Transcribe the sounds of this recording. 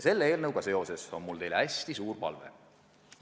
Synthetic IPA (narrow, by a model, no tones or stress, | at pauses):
se̞lːee̞ːlnɤwɡ̥ɑse̞o̞se̞so̞nmult̪ejlæsʲt̪isuːrpɑ̰lvḛ